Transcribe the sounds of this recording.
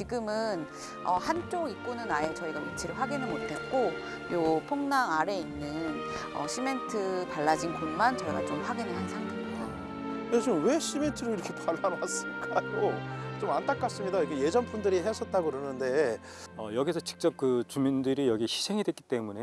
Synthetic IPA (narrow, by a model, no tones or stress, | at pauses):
t͡ɕiɡɯmɯn | ʌ̰hant͡ɕ͈oɡik͈̚onɯnae̞t͡ɕʌiɡait͡ɕʰiɾɯɭɸwaɡinɯɭmotʰe̞t̚k͈o | jopʰoŋnaŋaɾe̞inːɯnʌ̰ɕʰime̞ntʰɯpaɭːad͡ʑinkonmant͡ɕʌiɡa̰t͡ɕomɸwaɡinɯɭɦansʰaŋtemɲida | jet͡ɕomwe̞ɕʰime̞ntʰɯɾoiɾʌkʰe̞pʰaɭːaɾas͈ɯɭk͈ajot͡ɕomant͈ʰak͈as͈ɯmɲidaikʰeje̞d͡ʑʌnpʰundɯɾiɦes͈ʰʌt̚t͈aɡoɯɾɯnɯnde̞ | ʌjʌɡis̬ʰʌt͡ɕi̥k̚t͡ɕ͈ʌp̚kɯt͡ɕumindɯɾijʌɡiɕʰi̥sʰe̞ŋidwet̚k͈it͈e̞mune